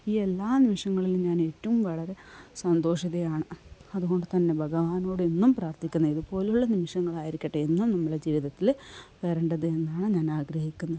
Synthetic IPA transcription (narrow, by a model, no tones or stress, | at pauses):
iːe̞lːaːnimiʂɐŋːɐɭilɲaːne̞ːtːɐʋumʋɐɭɐɾe̞sɐnd̪o̞ːʂiðɐjaːɳɨɐðuɣo̞ɳɖɨt̪ɐnːe̞bʱɐɣɐʋaːno̞ːɽenːumpraːrt̪ikʲːunːɐiðupo̞ːljuɭːɐnimiʂɐŋːɐɭaːjiɾikʲːɐʈːeenːumnɐmːɐɭd͡ʑiːʋiðɐt̪ːilʋeɾɐɳɖɐðɨe̞nːaːɳɨɲaːnaːɡɾɐhikʲːunːɐðɨ